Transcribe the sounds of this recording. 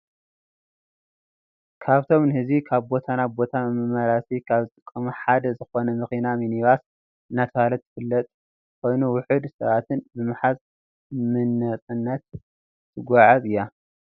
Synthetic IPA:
kʰaβt̪ʰo̞mnɨhɨzikʰaβbo̞t̪ʰanabo̞t̪ʰamɨmɨmɐɾasikʰaβzɨt̪ʼɨkʼːɐmɐħad̪ɐzɨxo̞nɐmɨxinaminiβas | nat̪ʰalɐt̪ːɨ̥fɨlːɐt̪ʼ | kʰo̞jnuwʊħɨd̪sɐβat̪ʰɨnbɨmɨħaz | mɨnːɐt͡sʼɨnːɐt̪ʰː | ɨɡʷaʕazɨjːa

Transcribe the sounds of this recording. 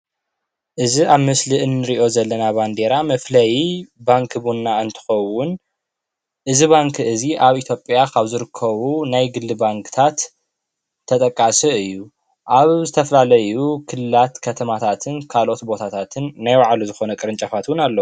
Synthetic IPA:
ʔɨziaβmɨsliʔɨnːɨɾiʔo̞zɐlːɐnaband̪e̞ɾamɐflɐjbaŋkʰbunːaɨnt̪ʰɨ̥xɐwʊn | ʔɨziβaŋkʰɨziʔaβit̪ʰjo̞pʼjakʰaβzɨɾɨkʰːɐβunajɡɨlːɨbaŋkʰɨ̥t̪ʰat̪ʰː | ɐt̪ʼɐkʼːasɨɨjːu | ʔaβzɨt̪ʰɐfɐlalɐjukʰɨlɨlat̪kʰɐt̪ʰɐmat̪ʰat̪ʰɨnkʰalʔo̞t̪bo̞t̪ʰat̪ʰat̪ʰɨnːajwaʕaluzɨxo̞nɐkʼɨɾɨnt͡ʃʼafat̪wʊnalːɐwu

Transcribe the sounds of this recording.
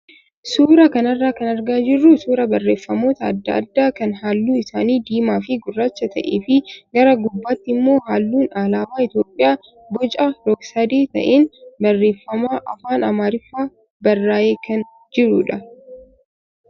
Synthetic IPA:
suːɾɐkɐnɐrːaːkɐnɐɾɡaːd͡ʒɪrːusuːɾɐbɐrːe̞ːfːɐmo̞ːt̪ɐɐ̰d̪ːɐ̰ːd̪ːaːkɐnɦaːlːuːɪsaːniːd̪iːmaːfɪɡʊrːaːt͡ʃːɐt̪ɐʔḛːfɪɡɐɾɐɡʊbːaːt̪ːɪmːo̞ːɦaːlːuːnalaːmaːɪt̪joːpʼːɪjaː | bɔt͡ʃʼɐɾɔɡsɐd̪eːt̪ɐ̰ʔeːnbɐrːe̞ːfːɐmaːʔɐfaːnɐmaːɾɪfːaː | bɐrːaːjeːkɐn | d͡ʒɪɾuːᶑɐ

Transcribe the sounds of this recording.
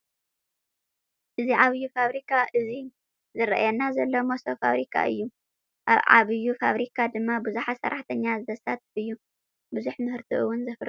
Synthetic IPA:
ʔɨziʕaβɨjːufaβɾikʰaʔɨzi | zɨɾɐ̰ʔjanːazɐlːomosofa̰βɾikʰa̰ʔɨjːu | ʔaβʕa̰βɨjːufa̰βɾikʰad̪ɨmːabɨzuħasɐ̰ɾaħt̪ʰɐɲːazɨzɐsat̪ʰɨfɨjːu | buzuħmɨhɨɾt̪ʰiʔɨwʊnzɐfɨɾ

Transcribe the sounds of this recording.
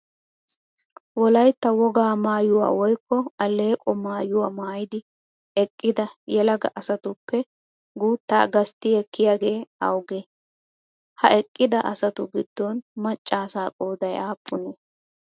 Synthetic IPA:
wɔlɐjt̪ːɐwɔɡaːmaːjʊwa̰ːwɔjkːɔɐlːeːkʼɔmaːjʊwaːmaːjɪd̪ɪ | ɛkʼːɪd̪ɐjɛlɐɡɐ̰ʔɐsɐt̪ʊpːɛ | ɡuːt̪ːa̰ːɡɐst̪ːɪɛkːɪjaːɡe̞ːɐ̰wɡeː | hɐɛkʼːɪd̪ɐʔɐsɐt̪ʊɡɪd̪̥ːonmɐt͡ʃʼːaːsaːkʼoːd̪ɐjaːpʰːʊne

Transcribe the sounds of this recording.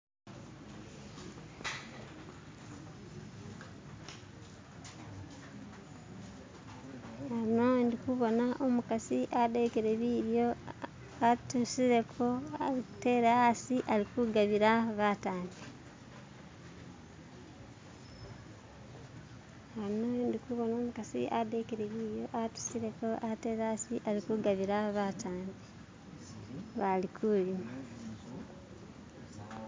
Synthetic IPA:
haɾinondikuβo̞naʔomukasiʔadekeɾeβiɾjo̞ | atusiɾe̞kʰoaɾiku̥te̞ːɾeaasiʔaɾikuɡaβiɾaβataːmbe | hanondikuβo̞no̞ːmukasḭʔadekeɾeβiːɾjo̞ʔatu̥siɾe̞ko̞ʔate̞ːɾasiʔalikuɡaβiɾaβataːnɡe | βalikʰulima

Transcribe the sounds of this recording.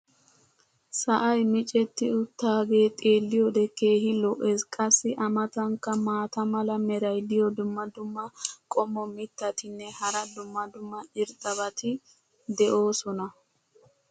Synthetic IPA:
sɐʔɐjmɪt͡ʃʼɛt̪ːɪʊt̪ːaːɡe̞ːt̪ʼeːlːɪjɔd̪ɛkeːhɪlːɔʔɛskʼɐsːɪʔɐmɐt̪ɐŋkːɐmaːt̪ɐmɐlɐmɛɾɐjd̪ɪjɔd̪ʊmːɐd̪ʊmːɐkʼɔmːɔmɪt̪ːɐt̪ɪnːɛhɐɾɐd̪ʊmːɐd̪ʊmːɐɪɾt̪ʼɐbɐt̪ɪ | d̪ɛʔo̞ːsɔnɐ

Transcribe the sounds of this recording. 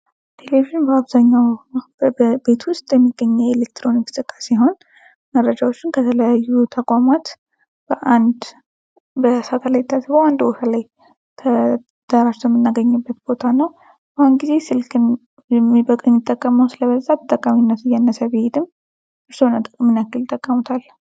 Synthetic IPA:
t̪ʰe̞leβiʒɪnbəaβzaɲːaw | be̞t̪wʊst̪ʼjɛmːiɡ̥ːəɲːəwelek̚t̪ɾo̞nikʼɨ̥sɨkʼːasijɦo̞n | mərːəd͡ʒawot͡ʃːɪnkʰət̪ʰələjajːut̪ʰəkʼʷamat̪ | b̥əʔand̪ | bəsat̪ʰəlajt̪ʰːasɨboand̪wofalaj | t̪ʰə | d̪̥aɾat͡ʃɛwmːɨnːaɡəɲːɨbːət̪b̥o̞t̪ʰanəw | bəhʊnɡize̞sɨlkʰɨn | jɛmibəkʼmɪt̪ʼːəkʼːəməwsɨləβəzat̪ʰət̪ʼːəkʼːaminːət̪ɨjanːəsəβehed̪ɨm | ʔɨɾsonət̪ʼɨkʼɨmɨnakːɨlɪt̪ʼːəkʼːəmut̪ʰal

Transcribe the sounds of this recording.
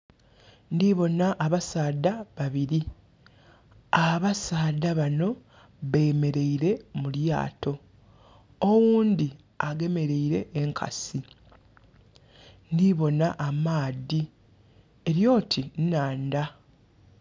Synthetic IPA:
ndiβo̞naʔːβasaːdaβaβiɾi | aβasaːdaβano̞ | βejme̞ɾe̞iɾe̞mulja̰ːto̞ | wuːnd̪i | aɡe̞me̞ɾe̞iɾe̞ʔːŋkʰa̰si | ndiβo̞naʔːmaːði | e̞ɾjo̞ːtʰinnaːnda

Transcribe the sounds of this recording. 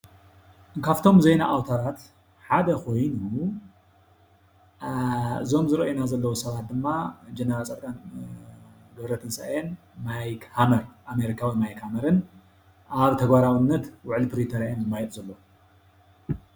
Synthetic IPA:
ɨkʰaft̪ʰo̞mzejnaʔawt̪ʰaɾat̪ | ħad̪ɐkʰo̞jnu | ɨzo̞mzɨɾɐʔjinazɐlːɐwusɐβat̪̚d̪ɨmːad͡ʒenɐɾalt͡sʼɐt̪kʼan | ɡɐβɾɐt̪ʰɨnsa̰ʔjen | majkhamɐɾʔame̞ɾikʰawimajkhamɐɾɨn | ʔaβt̪ʰɐɡbaɾawɨnːɐt̪wʊʕlipʰɾit̪ʰɐɾajenɨmːajɛt̪zɐlːo

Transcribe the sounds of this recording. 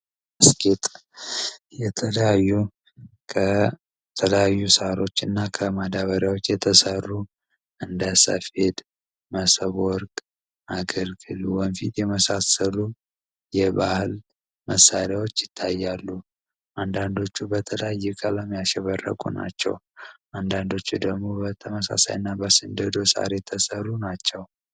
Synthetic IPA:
əskʰʼet̪ʼ | jɛt̪ʰələjajːu | kʰə | t̪ʰələjajːusaɾo̞t͡ʃːɨnːakʰəmad̪aβəɾjawo̞t͡ʃːjɛt̪ʰəsərːu | ʔɨnd̪əsə̰fhe̞d̪ | məsəβɔɾkʼ | ʔaɡəlɡɨluwɔnfit̪jɛməsasəlu | jɛbahɨl | məsːaɾjawo̞t͡ʃːjɪt̪ʰːajːalːu | ʔand̪and̪o̞t͡ʃːubət̪ʰələjjːɪkʼələmjaʃɛβərːə̰kʼṵna̰t͡ʃːɛ̰wʔand̪and̪o̞t͡ʃːud̪əɡmo̞bət̪ʰəməsa̰sa̰jɨnːabəsɨnd̪əd̪o̞sa̰ɾet̪ʰəsərːunat͡ʃːɛw

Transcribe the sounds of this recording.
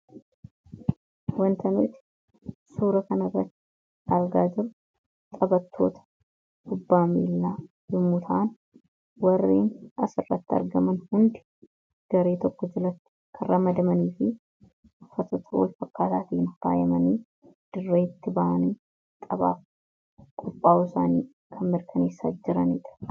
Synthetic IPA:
wɐnt̪ɐnʊt̪ɪ̥ | suːɾɐkɐnɐrːɐt̪ːɪ̥ | ʔɐɾɡaːd͡ʒɪɾʊ | t̪ʼɐbɐt̪ʰːo̞̰ːt̪ɐ̥ | hʊbːaːmiːlːaː | jɪmːʊt̪ʰɐʔɐn | wɐrːḛːnɐsɪrːɐt̪ːɪɐ̰ɾɡɐmɐnhʊnd̪ɪ̥ | ɡ̥ɐɾe̞ːt̪ɔkːɔd͡ʒɪlɐt̪ːɪ̥kʰɐrrɐmɐd̪ɐmɐniːfɪ | ʊfːɐt̪oːt̪ʰɐwɔ̰lfɐkːaːt̪aːt̪iːnka̰ːjɐmɐniː | d̪̥ɪrːeːt̪ːɪbɐʔɐniː | t̪ʼɐβa̰ːf | kʼʊpʼːaːʊsaːniː | kʰɐnmɪɾkʰɐne̞ːsːa̰ːd͡ʒɪɾɐniːt̪ɪ̥

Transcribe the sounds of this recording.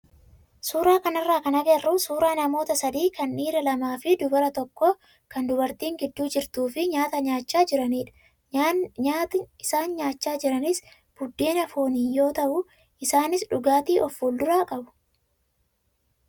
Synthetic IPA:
suːɾaːkɐnɐrːaːkɐnɐɡɛrːʊsuːɾaːnɐmo̞ːt̪ɐsɐd̪iːkɐnːiːɾɐlɐmaːfɪd̪ʊbɐɾɐt̪ɔkːɔ | kɐnd̪ʊbɐɾt̪iːŋɡɪd̪ːuːd͡ʒɪɾt̪uːfɪɲaːt̪ɐɲaːt͡ʃːaːd͡ʒɪɾɐniːᶑɐ̥ | at̪ɪsaːnɲaːt͡ʃːaːd͡ʒɪɾɐnɪs | b̥ʊd̪ːeːnɐfoːniːjo̞ːt̪ɐʔʊ | ʔɪsaːnɪsᶑʊɡaːt̪iːʔɔfuːld̪ʊɾaːkʼɐbʊ̥

